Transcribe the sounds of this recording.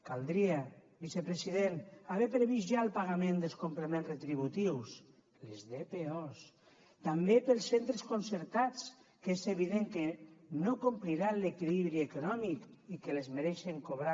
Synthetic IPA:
kalˠd̪ɾia | bisepɾesiðenaβɛpɾeβizʒaəlˠpaɣamẽnd̪elˠskomplemẽnzret̪ɾiβ̞ut̪iws | lezðepeɔs | t̪ambepelˠsːent̪ɾeskonseɾt̪at͡s | kezeβiðeŋkenokumpliɾalekiliβɾiekonɔmikikelezmeɾɛʃeŋkoβɾa

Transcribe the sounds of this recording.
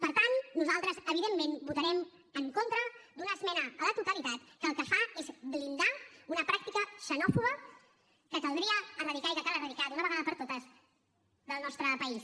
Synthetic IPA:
pəɾt̪annuzalˠt̪ɾəzəβ̞iðemːenbut̪əɾɛm | əŋkont̪ɾəd̪unəːzmɛnəːlət̪ut̪əlit̪at̪kəlˠkəfaezblind̪aunəpɾak̚t̪ikəʃənɔfuɣə | kəkəlˠd̪ɾiəːrəðikaikəkalərəðikat̪unəβəɣaðəpəɾt̪ot̪əz | ðəlˠnɔst̪ɾəpəis

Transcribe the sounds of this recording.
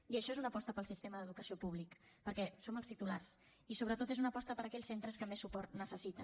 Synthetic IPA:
iəʃɔezunəpɔst̪əpəlˠsist̪eməðəðukəsiopuβ̞lik | pəɾkɛsoməlˠst̪it̪ulaɾs | isoβɾət̪ot̪ezunəpɔst̪əpəɾəkɛʎsent̪ɾəskəmesupɔrt̪nəsəsit̪ə

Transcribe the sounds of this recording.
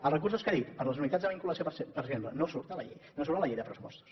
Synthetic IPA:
əlˠrəkurs̬uskəðit̪pəɾləzunit̪azðəβiŋkuləsjiosepəɾəsiemplənosuɾt̪alə̰ʎḛjnos̬uɾt̪aləʎejðəpɾəsupɔ̰st̪u̥s

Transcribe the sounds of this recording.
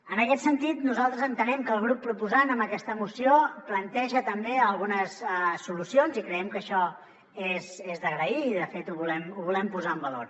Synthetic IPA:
ənəkɛt̪sənt̪it̪nuzalˠt̪ɾəzənt̪ənɛmkəlˠɣ̞ɾupːɾupuzanəmbəkɛst̪əmusioplənt̪ɛʒət̪əmbeəlˠɣunəssulusionzikɾəɛmkəʃɔ | ezezðəɣɾəiːðəfet̪uβulɛmuβulɛmpuzaəmbəloɾ

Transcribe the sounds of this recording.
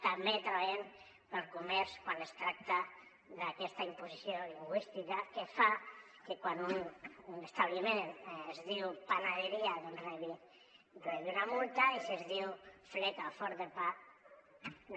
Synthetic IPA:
t̪ambet̪ɾaβaʎem | pelˠkumɛɾskwanest̪ɾak̚t̪a | ðakɛst̪aimpusisjoliŋɡwist̪ikakefa | kekwanunnest̪aβlimenezðiwpanaðeɾiaðereβi | reβiunamult̪aisezðiwflek̪afɔɾðepa

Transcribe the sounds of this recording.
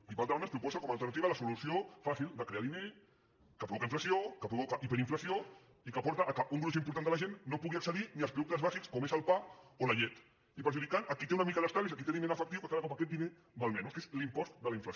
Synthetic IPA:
ipald̪almenspɾupɔzəkomalˠt̪əɾnət̪iβɐləsulusiofasilˠd̪əkɾeaðine | kəpɾuβokaiɱflɐsiokəpɾuβokəʔipəɾiɱflɐsio | ikəpɔɾt̪əʔːkəʔuŋɡɾus̬impuɾt̪and̪əlɐʒenːopuɣiɐksəðiniəlspɾuðuk̚t̪əzβazikskomezəlˠpaolɐʎɛt̪ | ipəɾʒuðikanɐkit̪eunəmikaəðəst̪aɾβisakit̪eðinenəfək̚t̪iwkəkaðəkapakɛt̪̚d̪ine | d̪əlˠmɛnuskezlimpɔst̪d̪əlɐiɱfləs

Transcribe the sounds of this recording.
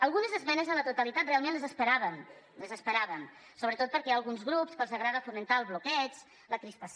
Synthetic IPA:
əlˠɣunəzəzβɛnəzðələt̪ut̪əlit̪at̪̚realˠmẽnləzəspəɾaβən | ləzəspəɾaβən | soβɾət̪ot̪̚pəɾkɛəlˠɣunzɣɾupskəlˠzəɣɾaðəfumənt̪aəlˠzβlukɛt͡s | ləkɾisp̪əs

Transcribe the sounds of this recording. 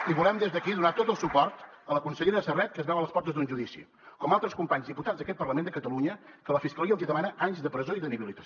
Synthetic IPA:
iβulɛmd̪ezðəkiðunat̪ot̪əlˠsupɔɾt̪ələkunsəʎeɾəsərɛt̪̚kəzβɛwələspɔrt̪əzd̪unʒuðisḭ | kɔmalˠt̪ɾəskumpaɲzðiput̪ad͡zðəkɛt̪̚pərləmend̪əkət̪əluɲə | kələfiskəliəunziðəmanəʔaɲzd̪əpɾəzoiðəniβilit̪ə

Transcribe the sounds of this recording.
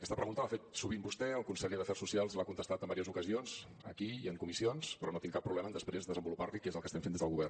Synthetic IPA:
əkɛst̪əpɾəɣunt̪əlafet̪̚suβimbust̪ɛəlˠkunseʎəðəfɛrsːusialˠzlakunt̪əst̪at̪əmbaɾiəzukəzionz | əkiiəŋkumisionspɾɔnot̪iŋkapːɾuβlɛmənd̪əspɾezðəzəmbuluparlikezəlˠkəsɛmfend̪ezðəlɣuβɛr

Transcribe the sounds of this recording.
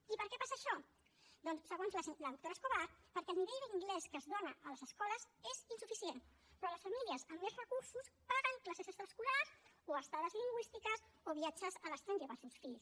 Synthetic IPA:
ipəɾkɛpasəʃɔ | d̪ɔnssːəɣonzləzləðuk̚t̪oɾəskoβaɾpəɾkɛəlˠniβeʎðəliŋɡlɛskəzðonəʔələzəskɔləzezinsufisien | pɾɔləsfəmiliəzəmːezrəkuɾsuspaɣəŋklasezəst̪ɾβəskulazoəst̪aðəzliŋɡwist̪ikəsoβiat͡ʃəzələst̪ɾanʒəβəselˠsfiʎs

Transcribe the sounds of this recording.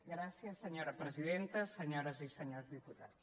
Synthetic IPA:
ɡɾasiəsːəɲoɾəpɾəziðent̪əsəɲoɾəzisəɲozðiput̪at̪s

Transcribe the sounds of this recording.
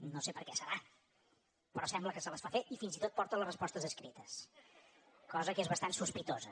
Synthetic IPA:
nosepəɾkɛsəɾa | pəɾɔsɛmbləkəsələsfafeʔifinzit̪ot̪pɔɾt̪ələrəspɔst̪əzəskɾit̪əs | kɔzəkezβəst̪ansuspit̪ozə

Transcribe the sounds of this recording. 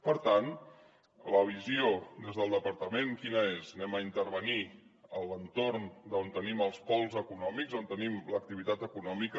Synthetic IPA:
pəɾt̪an | ləβiziod̪ezðəlˠd̪əpəɾt̪əmeŋkinəeznɛməint̪əɾβəniələnt̪oɾnd̪əont̪əniməlˠspɔlˠzəkunɔmikzont̪ənimlək̚t̪iβit̪at̪əkunɔmikə

